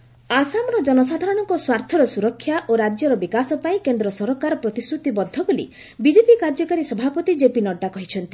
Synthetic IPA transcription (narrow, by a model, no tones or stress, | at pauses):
asamɔɾɔd͡ʒɔnɔs̬ad̪ʱaɾɔɽ̃ɔŋkɔswaɾt̪ʰɔɾɔsuɾɔkʰːjaʔoɾad͡ʒjɔɾɔbikasɔpaĩkend̪ɾɔsɔɾɔkaɾɔpɾɔt̪isɾut̪ibɔd̪ʱːɔbolḭ | bid͡ʒepikaɾd͡ʒɔkaɾisɔbʱapɔt̪id͡ʒepinɔɖːakɔɦit͡ʃʰɔnt̪i